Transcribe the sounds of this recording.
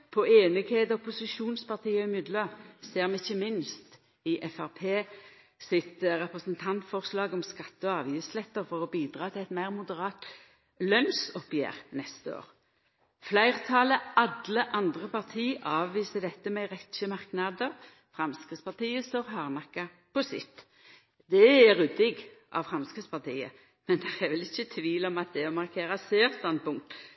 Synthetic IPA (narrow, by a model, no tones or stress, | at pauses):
pʰɔeːnɪɡheːd̪əɔpʊsɪʃuːnspɑʁt̪ʰiːɔɪmʏd̪ləseːʁmɛɪçːəmɪnst̪ | ɪʔɛfæʁpʰeː | sɪt̪ɾɛpʁəsənt̪ʰɑnt̪fɔʁslɑːɡɔmskɑt̪ːəɔɑːʋjɪslɛt̪ːəʁfɔʁɔbiːd̪ʁɑːt̪ʰɪlɛt̪mæɪʁmʊd̪əʁɑːt̪ | lœnsɔpjḛːʁnɛst̪əo̰ːʁ | flæɪʁt̪ʰɑləɑd̪ləʔɑnd̪ʁəpɑʁt̪ʰiːʔɑːʋʋiːsəd̪ɛt̪ːəmɛɾɛt̪ʃəmɑʁknɑd̪əʁ | fʁɑmskʁɪt̪spɑʁt̪iːəst̪oʁɦɑːʁnɑkːɑ | pɔsɪ̰t̪ː | d̪ɛæʁʉd̪ɪɡ | ʔɑ̰ʋfɾɑmskʁɪt̪spʰɑʁt̪ʰḭːə̰ | mɛnd̪ɛʁɛʋɛlɪçːət̪ʰʋiːlɔmɑt̪̚d̪ɛɔmɑʁkʰeːɾɑseːɾst̪ɑnd̪̚pʊŋk̚t̪